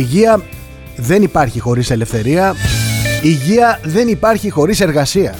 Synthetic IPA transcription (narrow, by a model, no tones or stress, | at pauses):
iʝiɐ | ðe̞nipɐɾçixo̞ɾise̞le̞fθe̞ɾiɐ | iʝiɐðe̞nipɐɾçixo̞ɾise̞ɾɣɐsiɐ